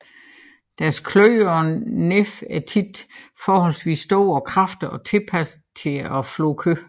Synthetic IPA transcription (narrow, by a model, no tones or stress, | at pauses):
d̥æɐskʰløːɒnefæɐt͡sʰid̥fɒːhɒ̽lsʋḭːsːd̥ɔ̰ːɒkʰʁɑfd̥ɐʔɒ̽t͡sʰe̝lpʰæs | t͡sʰe̝ɒflɔ̰ːkʰø